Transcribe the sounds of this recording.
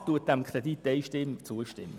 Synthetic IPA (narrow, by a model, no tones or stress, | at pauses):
t̪uət̚d̥ɛmkʰʁɾed̪it̪ːeɪʃtɪmːt͡suəʃtɪmːə